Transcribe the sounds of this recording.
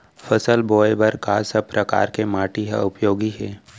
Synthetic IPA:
fəsəlboːjbəɾkasəb̚pɾəka̰ːɾkemaːʈiɦa̰ʊpjoːɡiɦɛː

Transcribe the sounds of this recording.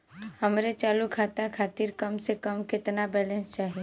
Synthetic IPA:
hɐmɾet͡ʃaːlukʰaːt̪akʰaːt̪ɪɾkəmsekəmkɪt̪nabɛːlɛ̃nst͡ʃaːɦie

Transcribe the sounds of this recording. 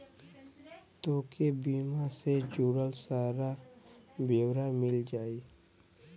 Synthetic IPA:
t̪oːkebiːmased͡ʒuːɽəlsaːɾa | bewɾamɪld͡ʒaːiː

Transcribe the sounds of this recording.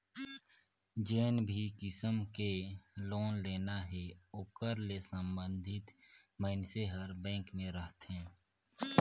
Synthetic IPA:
d͡ʒeːnbʱikɪsəmkeloːnleːnaɦɛʊkəɾlesəmbə̃nd̪ʱɪt̪ | məːnseɦəɾbɛ̃ːŋkmẽɾəɦt̪ɦɛ̃ː

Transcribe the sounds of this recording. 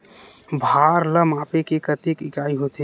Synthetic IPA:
bʱaɾləmaːpekekət̪ikɪkaːiɦot̪e

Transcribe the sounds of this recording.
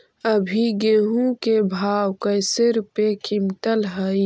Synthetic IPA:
əbʱiɡeːɦũkebʱaːwkəjsɪɾpekɪmʈ̪əlɦəi

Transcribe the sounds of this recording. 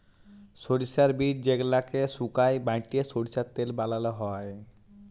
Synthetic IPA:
soɽisaɾbiʈ̚d͡ʑeɡlakesukajbajʈiesoɽisaɾt̪elbalaloɦɔe

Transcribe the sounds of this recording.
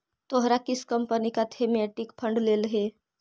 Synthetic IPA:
t̪oɦɾakɪskəmpənikat̪ʰemɛʈɪkpʰə̃ɳɖleːlɦeː

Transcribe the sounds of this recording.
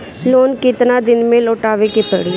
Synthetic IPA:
loːnkɪt̪nad̪ɪnmẽloːʈaːʋekip̪ə̰ɽi

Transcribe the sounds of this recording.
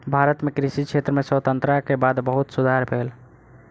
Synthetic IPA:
bʱaɾət̪mekɾisikt͡ʃʰet̪ɾəmeswət̪ənt̪ɾakebad̪bəɦut̪sud̪ʱaɾbʱel

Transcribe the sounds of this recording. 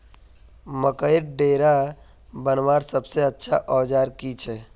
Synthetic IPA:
məkəjɾɖeːɾa | bənʋaɾsəbseətːʃʰaʔɔːd͡ʒaːɾkit͡ʃʰɛ

